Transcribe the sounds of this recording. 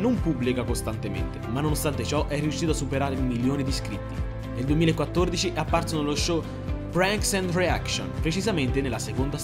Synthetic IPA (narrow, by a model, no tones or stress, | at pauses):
nompubːlikakost̪ant̪emḛnt̪emanːonost̪ant̪et͡ʃɔʔɛrːiuʃːiːt̪oasːupeɾaːɾeulmiljoːned̪iskɾit̪ːi | neld̪uemiːlaekːwat̪ːord̪it͡ʃiʔapːarsonoloʃːo | fɾaŋksɛnt̪rea̰kso̰npɾet͡ʃizament̪eneɪlːasekond̪a